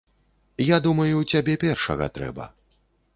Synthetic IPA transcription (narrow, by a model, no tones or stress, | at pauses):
jad̪umɐjut͡sʲabʲɛpʲɛrʂɐ̰ɣɐ̰t̪ɾɛ̰bɐ̰